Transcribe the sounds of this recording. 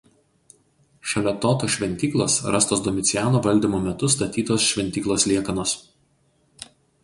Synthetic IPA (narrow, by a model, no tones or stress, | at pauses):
ʃʲɛlʲɛt̪oːt̪oːʃʲʋʲɛnʲt̪ʲiːklˠosɾɐst̪oːsd̪ɔmʲɪt̪sʲɪjæːnoːʋɐlʲd̪ʲiːmoːmʲɛt̪ʊst̪ɐt̪ʲiːt̪oːsʃʲʋʲɛnʲt̪ʲiːklˠoːslʲiɛkɐnoːs